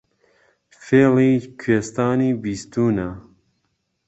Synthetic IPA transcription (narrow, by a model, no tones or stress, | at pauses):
feːliːkʰweːst̪aːniːbiːst̪uːnɐ